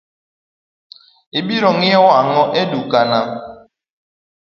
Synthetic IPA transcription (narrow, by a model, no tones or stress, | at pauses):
ibiɾɔŋɛwaŋɔʔedukana